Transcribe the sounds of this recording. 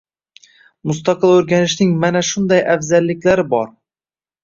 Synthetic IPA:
mʊst̪ɑqɨlˠɵɾɡʲanɪʃnɪŋmanaʃʊnd̪ɒjʔafzalːɪkʲlaɾɪbɒɾ

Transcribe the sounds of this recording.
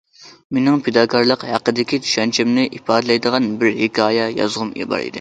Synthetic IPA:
menɪŋpʰed̪ɑːkʰɑɾlˠəqhæqəd̪ɪkʲit̪ʰy̥ʃɛnt͡ʃʰɛmnɪʔipɑːd̪ɪlɛjd̪əʁɑnbɪɾhekʰʲɑːjɛjɑ̰zʁʊmjḭbɑ̰ɾḭd̪ɪ

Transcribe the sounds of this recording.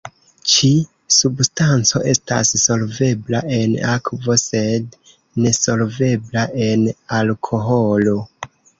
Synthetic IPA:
t͡ʃi | substant͡so̞ʔe̞̰sta̰sːo̞lve̞blaʔe̞nakvo̞se̞d | ne̞so̞lve̞blaʔe̞nalkʰo̞ɦo̞lo̞

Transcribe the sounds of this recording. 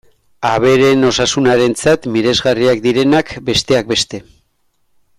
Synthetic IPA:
aβ̞e̞ɾe̞no̞sasunaɾe̞nt͡sat̪miɾe̞zɣariakd̪iɾe̞nakbe̞st̪e̞ak̚be̞st̪e̞

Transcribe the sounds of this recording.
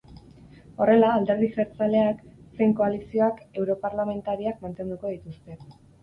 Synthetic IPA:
o̞re̞laːld̪e̞ɾð̞iseɾt͡sale̞akse̞jŋko̞alisio̞ake̞wɾo̞paɾlame̞nt̪aɾiakmant̪e̞nd̪uko̞ðit̪ust̪e̞

